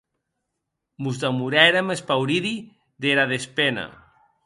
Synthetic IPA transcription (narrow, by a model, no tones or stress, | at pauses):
muzd̪amuɾɛeɾamespawɾiði | ðeɾaðespena̰